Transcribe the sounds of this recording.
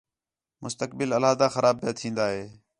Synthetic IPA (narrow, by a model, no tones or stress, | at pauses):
mʊst̪ək̚bɪləlaːd̪aːxəɾʔaːb̚pjaːt̪ʰĩːnd̪aːɦeː